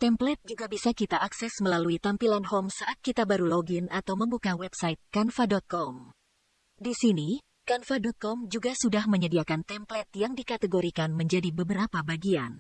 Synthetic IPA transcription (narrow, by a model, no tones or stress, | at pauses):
t̪ɛmplɛt̪̚d͡ʒuɡabisakit̪aʔːksɛsməlaluit̪ampilanhɔmsaʔat̪̚kit̪abaɾuloɡinat̪awməmbukawɛpsait̪̚kanfadɔt̪̚kɔm | disini | kanfadɔt̪̚kɔmd͡ʒuɡasudahməɲədiakant̪ɛmplɛt̪̚jaŋdikat̪əɡoɾikanməɲd͡ʒadibəbəɾapabaɡian